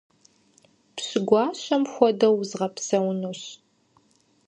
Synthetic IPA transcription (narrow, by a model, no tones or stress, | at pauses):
pɕɨɡʷɑːɕɐmxʷɔdɐwzʁɐpsɐwnuɕ